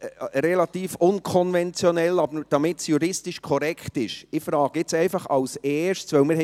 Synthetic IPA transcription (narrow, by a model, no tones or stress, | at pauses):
ɾɛlɑt̪iːfʊnkʰɔnvɛnt͡sjɔnɛlɑbəɾd̥ɑmɪtsjuɾɪstɪʃkʰɔɾɛkχtɪʃɪfɾɑːɡ̥əɪt͡sɛɪfɑχɑlsɛːʃtsʋœwmɪɾhɛ